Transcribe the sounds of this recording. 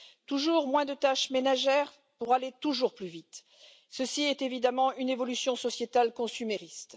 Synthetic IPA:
t̪uʒuʁmwɛ̃d̪ət̪aʃmenaʒɛʁ | puʁalet̪uʒuʁplyvit̪ | səsiɛt̪evid̪amɑ̃ynevɔlysjɔ̃sɔsjet̪alkɔ̃symeʁist̪

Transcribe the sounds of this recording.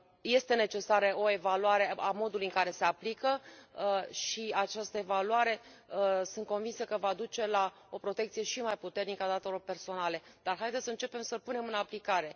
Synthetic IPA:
je̞st̪e̞ne̞t͡ʃe̞saɾeo̞e̞valuaɾe̞amo̞d̪ulujɨŋkaɾe̞se̞aplikə | ʃiat͡ʃast̪əe̞valuaɾe̞sɨnt̪̚ko̞nvinsəkəvad̪ut͡ʃe̞la | o̞pɾo̞t̪e̞kt̪sije̞ʃimajput̪e̞rnikəad̪at̪e̞lo̞rpe̞rso̞nale̞d̪̥arɦajd̪esəɨnt͡ʃe̞pe̞msəlpune̞mɨnaplikaɾe̞

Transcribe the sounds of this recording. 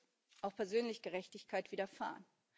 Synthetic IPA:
ʔaʊxpʰɛɐzøːnlɪçɡ̥əʁɛçtɪçkʰaɪtv̥iːdɐfa̰ːʁən

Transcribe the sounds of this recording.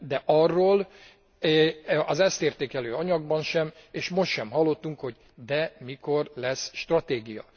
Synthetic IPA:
d̪ɛʔɒrːoːl | ɒzɛst̪eːrt̪eːkɛløːɒɲɒɡbɒnʃɛmeːʃmo̞ʃt̪ʃɛmɦɒlːo̞t̪ːuŋkho̞ɟ | d̪ɛmiko̞rlɛsʃt̪rɒt̪eːɡijɒ̰

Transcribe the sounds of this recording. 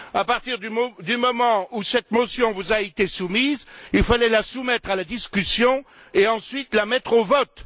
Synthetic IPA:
apaʁt̪iʁd̪ymd̪ymɔmɑ̃usɛt̪mɔsjɔ̃vuzaet̪esumizilfalɛlasumɛt̪χalad̪iskʲysjɔ̃ | eɑ̃sɥit̪lamɛt̪χovɔt̪

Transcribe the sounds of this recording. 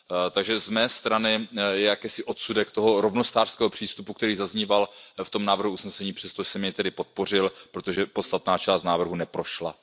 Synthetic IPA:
t̪aɡʒɛzmɛːst̪ɾanɪjɛjakɛːsɪʔo̞t̪sudɛkt̪o̞ɦo̞ɾovnost̪aːrskɛːɦo̞pr̝̥iːst̪upukt̪ɛɾiːzazɲiːvalft̪o̞mnaːvr̩ɦuusnɛsɛɲiːpr̥ɛst̪oʒɛsɛmɲɛt̪ɛdɪpo̞t̪̚po̞r̝ɪlpɾot̪oʒɛpot̪st̪at̪naːt͡ʃaːst̪naːvr̩ɦunɛpɾo̞ʃla̰

